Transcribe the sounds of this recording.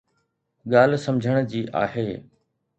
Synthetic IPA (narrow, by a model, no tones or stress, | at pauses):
ɠaːl̤sɐmd͡ʑʱəɽ̃d͡ʑiːʔa̰ːɦeː